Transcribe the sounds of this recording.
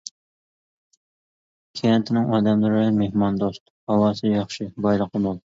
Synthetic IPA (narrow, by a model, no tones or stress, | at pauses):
kʲʰejɛnt̪ʰɪnɪŋɑːd̪ɛmlˠɨɾɨmehmɑnd̪ost̪ | ɑwɑːsɨjɑχʃibɑjlˠəqʰəmolˠ